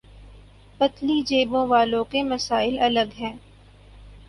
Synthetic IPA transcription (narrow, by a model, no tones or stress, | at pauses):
pɐt̪lid͡ʒeːbõʋaːlõkemɐsaːɪlɐləɡɦɛ̃ː